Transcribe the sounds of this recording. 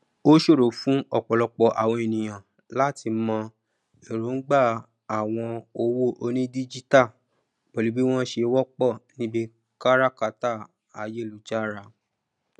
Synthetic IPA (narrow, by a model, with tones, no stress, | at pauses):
o˦ʃo˦˨ɾo˨fũ˨˦ɔ˦˨k͡pɔ˨lɔ˧k͡pɔ˨ʔa̰˨w̃ɔ̃˧e˨nĩ˨j̃ã˨ | la˦ti˧mɔ̃˧ | e˨ɾo˨˦n̩˦ɡ͡ba˦˨ | a˨w̃ɔ̃˧o˧wo˦˨ʔo˧nĩ˦di˦d͡ʒi˦ta˦˨ | b̥o˨li˨˦bi˦w̃ɔ̃˦ʃe˧wɔ˦k͡pɔ˦˨nĩ˦bi˦ | ka˦ɾa˦ka˧ta˦˨ | a˨je˦lu˨˦d͡ʒa˦˨ɾa˧˨